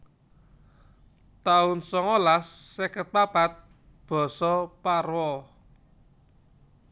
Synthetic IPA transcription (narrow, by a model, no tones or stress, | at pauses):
t̪aʊnsɔŋolasːɛkət̪̚papat̪̚ | b̥ɔ̤sɔparwɔ